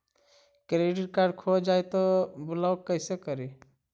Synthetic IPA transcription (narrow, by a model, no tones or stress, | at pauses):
kɾeɖiʈ̚kaɾɖkʰod͡ʒajt̪ɔbulaokːəɪsekəɾi